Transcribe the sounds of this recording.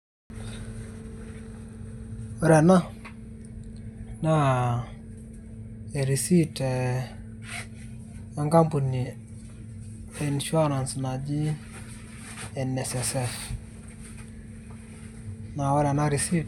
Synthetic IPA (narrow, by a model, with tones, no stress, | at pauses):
ɔ˦ɾɛ˨na˦ | na˦ | e˨ɾi˨si˦tɛ˨ | a˦ŋɡa˦mpu˨ni˨ | ɛ˨nʃwa˦na˨nsi˨na˨d͡ʒi˦ | ɛ˨nːɛ˨sɛ˨sɛ˦˨ɾ | na˨ɔ˦ɾɛ˨na˦˨ɾi˨si˦